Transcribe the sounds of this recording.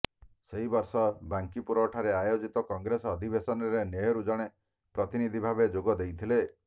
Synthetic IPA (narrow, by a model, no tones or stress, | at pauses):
seɦibɔɾsɔbaŋkipuɾɔʈʰaɾeajod͡ʒit̪ɔkɔŋɡɾesɔːd̪ʱibesɔnɔɾeneɦeɾud͡ʒɔɽ̃e | pɾɔt̪inid̪ʱibʱabed͡ʒoɡɔd̪ejt̪ʰile